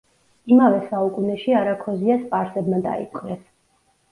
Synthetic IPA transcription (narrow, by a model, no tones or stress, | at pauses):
imavɛsaukʼunɛʃiaɾakʰɔziaspʼaɾsɛbmad̪a̰ḭpqʼɾɛs